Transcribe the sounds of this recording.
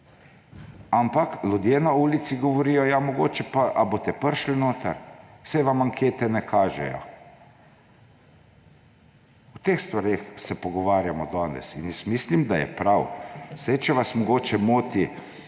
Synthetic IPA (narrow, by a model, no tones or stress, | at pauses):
ampaklʲud̪jenauːlit̪siɡɔʋɔɾiːjɔjamɔɡo̰ːt͡ʃɛpaʔabot̪ɛpəɾʃlinoːt̪a̰ɾwsɛjʋamaŋkʰeːt̪ɛnɛkʰaːʒɛ̰jɔ̰ | wt̪exst̪ʋaɾeːxsɛpɔɡɔʋaːɾjamɔd̪ɔːnɛ̰sinjɛsmislimd̪ajɛ̰pɾawsajt͡ʃɛʋasmɔɡoːt͡ʃɛmoːt̪i